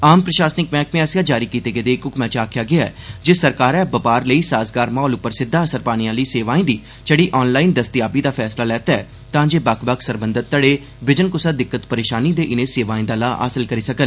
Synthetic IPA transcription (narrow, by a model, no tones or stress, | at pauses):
aːmpɾəʃaːsnɪkmɛ̃ːkmẽɛsjãːd͡ʒaːɾiːkiːt̪eːɡəeːd̪eːɪkʊkmɛ̃ːt͡ʃaːkʰjaːɡɪaɛ̰ːd͡ʒeːsəɾkaːɾɛːbəpaːɾləiːsaːsɡaːɾmãːlʊpːəɾsɪd̪ʱːaːəsəɾpaːñijãːləiːseːʋaːĩːd̪iː | t͡ʃəɽiːʔɔːnlaːind̪əst̪ɪjaːbiːd̪aːpʰɛːslaːlɛːt̪aːɛː | t̪ãːd͡ʒeːbakʰbəkʰsəɾbənd̪ət̪̚ːəɽeː | bɪd͡ʒənkʊsaːd̪ɪkːət̪pəɾeːʃaːniːd̪eːʔɪnẽːseːʋaːĩːd̪aːlaːʔa̰ːsəlkəɾiːsəkəl